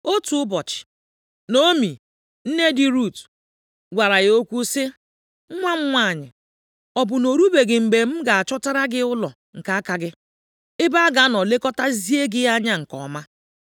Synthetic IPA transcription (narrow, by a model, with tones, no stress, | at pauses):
o˦tu˨ʊ˦bɔ˨t͡ʃɪ̥˨ | no˦mi˨ | n̩˦ne˦di˨ɾu˦˨t | ɡʷa˨ɾa˨ɣo˦kʷu˦sɪ˦ | ŋ̩˦ŋʷa˦ŋ͡m̩˦ŋʷa˦˨ɲɪ̰˨ | ɔ˨bʊ˨no˨ɾu˦be˨ɡɪ˨m̩˨be˨m̩˦ɡa˨a˨t͡ʃɔ˦ta˦ɾa˦ɡɪ˦ʊ˦lɔ˨ | ŋ̩˨ka˨˦a˦ka˨ɡɪ˦ | ɪ˦ba˦a˦ɡa˨˦nɔ˨le˦kɔ˦ta˦zi˦e˦ɡɪ˦ja˦ɲa˦ŋ̩˨kɔ̰˨˦ma˦